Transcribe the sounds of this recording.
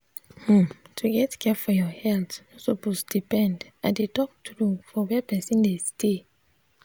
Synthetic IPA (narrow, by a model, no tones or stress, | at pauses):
h̩tʰuɡɛtkʰɛfɔjɔhɛltnɔsoposdipɛ̃ndãdetɔk̚tʰɾufɔwɛpɛsĩndestʰe